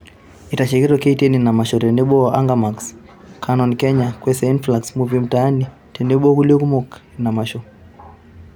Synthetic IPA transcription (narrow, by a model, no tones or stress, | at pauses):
itaʃɛɡɛɾɔkɛitɛninamaʃɔɾɛnɛɓɔʔaŋɡamaks | kʰanɔnkɛɲakwɛsɛinflaksmuvim̩taːni | tɛnɛɓɔkuliukumɔknamaʃɔ